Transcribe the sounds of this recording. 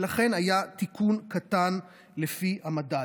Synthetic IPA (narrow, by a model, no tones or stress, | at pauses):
laχe̞najat̪ikʰunkatan | lefihamada